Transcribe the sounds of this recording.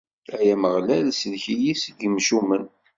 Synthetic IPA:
æjæməʁlæðsðçijisɡəmʃumən

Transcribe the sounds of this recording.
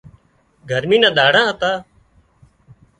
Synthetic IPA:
ɡʱəɾmĩːnãːɗ̪aːɽãːɦət̪aː

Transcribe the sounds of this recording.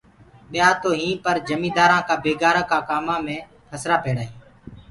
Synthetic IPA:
ɓɪjaːt̪oːɦĩːpəɾd͡ʒəmĩːd̪aːɾãːkaːbeːɡaːɾãːkaːkaːmãːmẽː | pʰəsɾaːpeːɽaːɦiː

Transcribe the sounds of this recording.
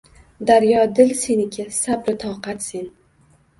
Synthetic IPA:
d̪aɾjɒd̪ɪlsenɪkʲʰasabɾɪt̪ʰɒːqat̪sen

